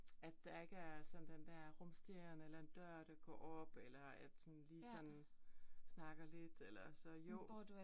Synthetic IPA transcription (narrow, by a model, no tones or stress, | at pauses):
æd̥ːɑ̈e̝ɡ̥əæɐsɒ̽n̩d̥end̥æɐ̰ʁɔ̽msd̥iɐnəelɐe̝nd̥ɶɐ̰ɾ̥ɑ̈ɡ̥ɒ̰ːɒ̽b̥elɐæd̥unliːsɒ̽nn̩snɑ̈ɡ̥ɐle̝d̥elɐsɒ̽jo̰d